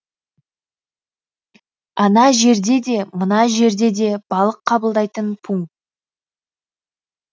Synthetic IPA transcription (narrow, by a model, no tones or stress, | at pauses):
ɑnɑʒe̞ɾd̪e̞d̪e̞mənɑʒe̞ɾd̪e̞d̪e̞b̥ɑlˠəqʰːɑbəlˠd̪ɑjt̪ənpʰuŋt̪